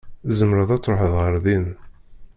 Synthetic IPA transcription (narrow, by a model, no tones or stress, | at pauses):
zəmɾəðæt͡sːɾoħəðʁəɾðin